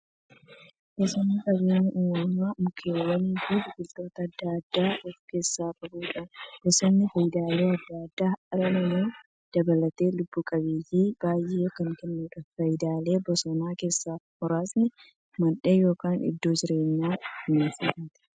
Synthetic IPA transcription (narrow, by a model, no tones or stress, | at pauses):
ʔesɔnːɪkʼɐbeːɲːɪʔuːɐmaːmʊkʰeːwɐniːd̪uːbɪɡɪlt̪o̞ːt̪ɐːd̪ːad̪ːaːʔɔfke̞ːsːaːfʼɐbuːᶑɐʔɛsɔnːɪfɐjɪd̪aːle̞ːɐd̪ːad̪ːaːʔɐɾɐnɐmuː | d̪̥ɐbɐlɐt̪e̞ːlʊbːuːkʼɐbeːjiːbaːjʔeːjoːkɐŋkɛnːuːᶑɐfɐjɪd̪aːle̞ːbɔsɔnaːke̞ːsːaːmɔɾaːsnɪ | mɐᶑeːjo̞ːkaːnɪ̰d̪ːo̞ːd͡ʒɪɾe̞ːɲːaːɪneːsɪfat̪ɪ̥